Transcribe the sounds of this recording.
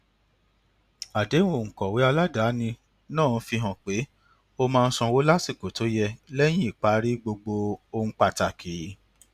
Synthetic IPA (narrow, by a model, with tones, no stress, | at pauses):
a˨de˨˦w̃o˦˨ŋ̩˨kɔ˨we˨˦a˧la˦da˨˦nĩ˧ | nãː˦˨˦fi˧ɦɔ̃˨k͡pe˨˦ | o˧mãː˧n̩˦sɔ̃˧wo˨˦la˦si˦˨ko˨to˨˦jɛ˧lɛ˦j̃ĩ˦i˦˨k͡pa˦ɾi˦ɡ͡bo˧ɡ͡bo˧o˧ŋ̩̃˧k͡pa˨ta˨kʰi˨˦